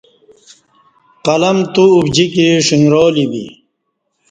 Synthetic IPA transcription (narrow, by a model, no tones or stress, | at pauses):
qɐlɐmt̪uːbd͡ʑikiʂiŋɡɾoːlibḭ